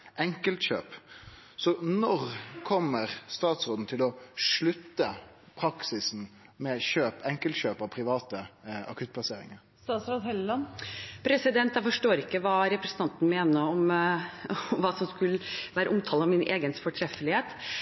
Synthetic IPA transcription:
ʔɛŋkəlt̪ɕø̰ːp | sɔnɔʁkʰɔmːəɾst̪ɑːt̪sʁoːd̪n̩t̪ʰɪlɔʂɭʉt̪ːəpʰɾɑksɪsn̩ | mɛɕøːpɛŋkəlt̪ɕøːpɑʋpʰɾɪʋɑːt̪əɑ̰kʰʉt̪̚pʰlɑseːɾɪ̰ŋəɾst̪ɑːt̪sɾɑd̪hɛllɑnpʰɾɛsɪd̪ɛnt̪jæɪfɔʂʈoːɾɪkːəʋɑːɾɛpɾəsən̩t̪ɑnt̪n̩meːnəɾɔm | ʋɑːsɔmskʉləʋæːɾəʔʊmt̪ʰɑːlɔmɪnʔḛːɡənfɔʈʰɾɛfəlɪheːt̪

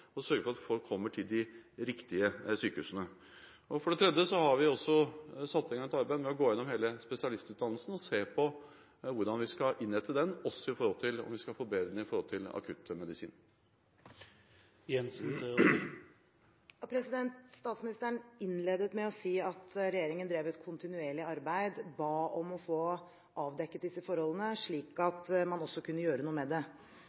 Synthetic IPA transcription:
ɔsœɾɡəfɔɾɑt̪fɔlkʰːɔmːəʈʰɪld̪ɪɾɪkt̪ɪəsyːkəʉsənə | ɔfɔɖɛt̪ʰɾɛd̪əsɔhɑɾʋɪɔsːɔsɑt̪sɛŋɑnət̪ɑɾbæɪd̪mɛɔɡoːɪɛnːɔmheːləspɛsɪɑlɪst̪ʉːt̪ɑnl̩sn̩ɔseːpʰɔ | ʋʊɾɖɑnʋɪskɑʔɪnːɾɛt̪ʰːəd̪ɛnːɔsːɔɪfɔɾhɔlt̪ʰɪlɔ̰mʋɪskɑlfoːbeːd̪nəɪfɔɾhɔlt̪ʰɪlɑ̰kʰʉt̪ːmɛd̪ɪsḭːn | jɛns | pʰɾɛsɪd̪ɛnt̪st̪ɑːt̪smɪnɪst̪əɳɪnleːd̪ət̪mɛɔsiːɑt̪ɾɛjeːɾɪŋənd̪ɾeːʋɛt̪kʰʊnt̪ɪnʉeːɭɪɑɾbæɪd̪bɑːɔmɔfoː | ʔɑːʋd̪ɛkːət̪̚d̪ɪsːəfɔɾhɔlːənəʂɭiːkɑt̪mɑnɔsːɔkʰʉnːəjøːɾənuːəmɛd̪ɛ

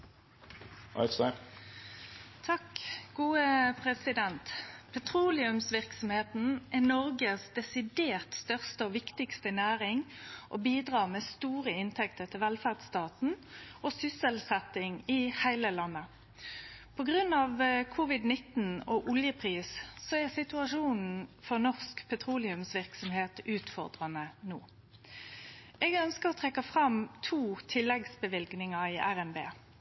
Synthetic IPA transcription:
ʔɑ̰ɪsɑ | t̪ʰɑkɡuːəpʰʁɛsɪd̪ɛnt̪pʰɛt̪ʰʁuːlɪʉmsʋɪʁksɔmheːt̪n̩ʔɛnɔʁɡəsd̪ɛsɪd̪eːʁt̪st̪œʁst̪əɔːʋɪkt̪ɪkst̪ənæːʁɪŋʔoːbiːd̪ʁɑːʁmeːst̪uːʁəɪnt̪ʰɛkt̪əʁt̪ʰɪlʋɛlfæʁd̪st̪ɑːt̪n̩ʔosʏsəlsɛt̪ɪŋɪhæɪləlɑnːə | pʰɔɡʁʉnɑʋkʰʊʋɪd̪nɪt̪n̩ɔʔʊljəpʰʁiːssɔɛʁsɪt̪ʉɑʂuːnn̩fɔʁnɔʁskpʰɛt̪ʰʁuːlɪʉmsʋɪʁksɔmheːt̪ʉːt̪fɔʁd̪ʁɑnənuː | ʔɛɡœnskəʁɔt̪ʰʁɛkːɑfʁɑmt̪ʰuːt̪ʰɪlːɛɡsbəʋɪlɡnɪŋɑɪʔæʁɛnbḛː

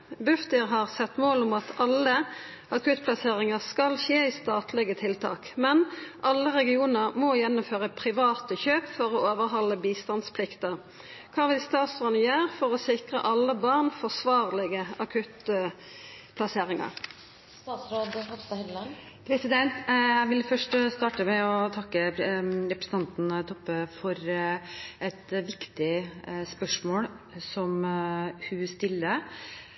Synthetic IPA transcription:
bʉft̪ɪʁɦɑʁsɛt̪ːmoːlʊmɑt̪ʰɑlːə | ʔɑkʉt̪pʰlɑseːʁɪŋəʁskɑlʃeːiːst̪ɑːt̪lɛɡət̪ʰɪlt̪ʰɑ̰ːkmɛnʔɑlːəʁɛɡɪuːnəʁmɔjɛnːʊmføːʁəpʰɾɪʋɑːt̪əçøːpfɔʁɔoːʋəɾɦɑlːəbiːst̪ɑnspʰlɪkt̪əʁ | kʰɑːʋɪlst̪ɑːt̪sʁɑːd̪nəjøːʁfɔʁɔsɪkʁə̰ʔɑlːəbɑʁnfɔsʋɑːʁlɪɡəɑkʰʉt̪ | pʰlɑseːʁɪŋɑ̰ʁ | st̪ɑːt̪sɾoːd̪hɑt̪ɑhɛllɑn | pʰɾɛsɪd̪ɛnt̪æɪʋɪlfœʂʈst̪ɑːʈəmɛɔt̪ʰɑkːəɾɛpɾəsn̩t̪ɑnt̪nt̪ʰɔpːəfɔɾ | ʔɛt̪ʋɪkt̪ɪspœʂmoːlsɔmhʉst̪ɪlːə

